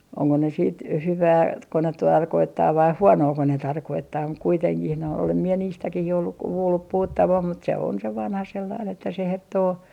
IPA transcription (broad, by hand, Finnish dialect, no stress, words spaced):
oŋko ne siːt hyʋæː tko ne tɑrkoitːɑː ʋɑi huonoːko ne tɑrkoitːɑː muk kuiteŋkih noi olem mie niːstækih jo olːuk kuːlːup puhutːɑʋɑm mut se on se ʋɑnhɑ selːɑin etːæ se hertːoː